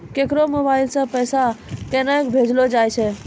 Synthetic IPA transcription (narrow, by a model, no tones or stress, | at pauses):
keːkɾomoːbaːɪlsãpəjsakẽːnaːekbʱeːd͡ʒlod͡ʒaːjt͡ʃʰe